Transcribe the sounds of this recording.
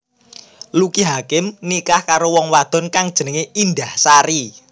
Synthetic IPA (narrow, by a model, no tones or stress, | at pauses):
lukiɦakɪmnikahkaɾowɔŋwad̪̥ɔ̤nkaŋd̥ʒ̥ə̤nəŋeind̪ahsaɾi